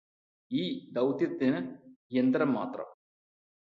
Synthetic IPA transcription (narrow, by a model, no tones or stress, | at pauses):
iːd̪ɐwt̪jɐt̪ːinɨjend̪ɾɐmːa̰ːt̪rɐ̰m